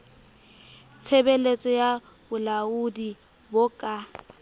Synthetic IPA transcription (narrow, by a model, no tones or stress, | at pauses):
t͡sʰebelet͡sʼɔja | bʊlaudi | bʊkʼa